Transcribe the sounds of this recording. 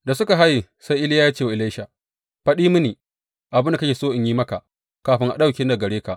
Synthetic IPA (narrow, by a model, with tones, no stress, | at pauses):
da˨sʊ˦ka˨ɦa˦ji˨ | sa˦jʔɪ˦lɪ˦ja˦jaː˦t͡ʃeː˦˨wa˨ɪ˨la˦jʃa˨ | ɸɐ˦ɗiː˦mʊ˦niː˨ | ʔa˨bɪ˦nda˨kɐ˦kʲeː˨soː˦ʔɪ˨ɲjiː˦mɐ˦ka˨ʔ | kaː˨ɸɪ˦ŋʔa̰˨ɗa˦˨wkʲɪ˦nda˨ɡɐ˨ɽeː˦ka˨ʔ